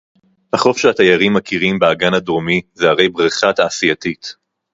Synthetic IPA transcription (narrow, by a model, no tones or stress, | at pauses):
haχo̞fʃehat̪ajaʁimːakʰiʁimbeaɡanhad̪ʁomizehaʁe̞jbʁiχat̪aːsijat̪it̪